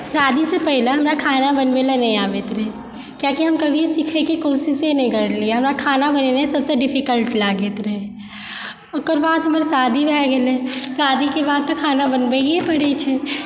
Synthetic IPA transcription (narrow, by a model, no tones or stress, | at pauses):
saːd̪ʱisepɛɦɪleɦɐmɾakʰaːnabənʋelenɐ̃ɦĩaːʋet̪ɾɛ | kjakiɦɐmkɐbʱisikʰekekoːsisenɦĩɡəɾlieɦɐmɾakʰaːnabənenesəbseɖɪpʰikəlʈlaːɡet̪ɾɛɦ | okəɾbaːd̪ɦɐməɾsaːd̪ʱibʱɛɡɛlesaːd̪ʱikebaːd̪̚t̪okʰaːnabənbeiepəɽet͡ʃʰɛ